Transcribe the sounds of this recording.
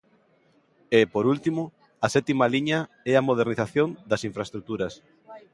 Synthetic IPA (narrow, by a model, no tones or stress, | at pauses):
epoɾult̪imʊ | ɐsɛt̪imaliɲɐ | ɛɐmoð̞eɾniθaθjond̪ɐsiɱfɾaest̪ɾuk̚t̪uɾɐs